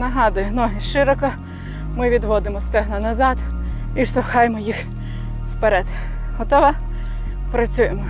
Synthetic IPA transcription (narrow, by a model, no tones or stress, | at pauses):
nɐɦɑd̪ʊjʊnɔɦɪʃɪɾɔkɔ | mɪʋʲid̪ʋɔd̪ɪmɔst̪ɛɦnɐnɐzɑd̪ | iʃt̪ɔxɑjmɔjix | wpeɾɛd̪̥ | ɦɔt̪ɔʋɐ | pɾɐt͡sʲujemɔ